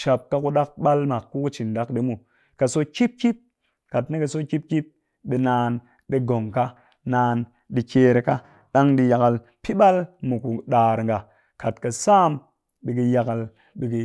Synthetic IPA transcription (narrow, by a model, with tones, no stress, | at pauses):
ʃa˨p̚ka˦˧ku˧ɗa˦k̚ɓa˦lma˨kːu˦ku˦t͡ʃi˨nda˦kɗi˦mu˨ | ka˨so˦ki˦p̚ki˦p̚ | ka˨tne˦ka˨so˦ki˦p̚kʲi˦p̚ | ɓi˨˧naː˧n | ɗi˦ɡo˨ŋka˦ | naː˧n | ɗi˨˧keː˧ɾe˨ka˦ | ɗa˦ŋɗi˧ja˨ka˨l | pi˦ɓa˦lmu˨ku˨ɗaː˨ɾŋɡa˨ | ka˨tka˨sa˦m | ɓi˨ki˧ja˧ka˨l | ɓi˨ki˨